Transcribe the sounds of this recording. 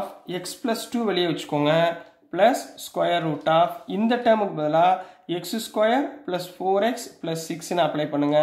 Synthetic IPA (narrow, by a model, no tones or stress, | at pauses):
fɛksplɐsʈuːʋɛɭɪjeːʋɐt͡ʃːɯ̥kːoŋɡɐ | pɭɐsːkwɐjɐɾːuːʈːaːfɪnd̪ɐʈːɐɾmɯkːɯbɐðɐlãːɛksskwɐjɐɾpɭɐsfoːɾɛksplɐsːɪksɪnːɐɐpɭɐɪpɐɳːɯŋɡɐ